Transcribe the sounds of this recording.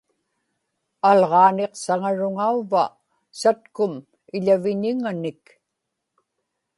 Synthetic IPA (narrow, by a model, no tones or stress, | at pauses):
alʁɑːne̞qsaŋaɻʊŋauva | sat̪kʊm | ɪʎavɪɲɪŋanɪk